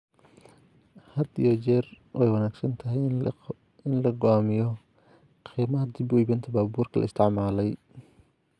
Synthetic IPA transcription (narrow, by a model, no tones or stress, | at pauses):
hɐd̪ḭjɔt͡ʃɛːr | wʔɛjwɑnaːɡsɐnt̪ʰɐɦɪj | ɪnlɐɡɔaːmɪjɔ | qʰiːmɐɦɐd̪ɪbubɪnt̪ʰɐbaːbuːrkʰɐlɐ̰ɪst̪ʰɪʕmaːlɛj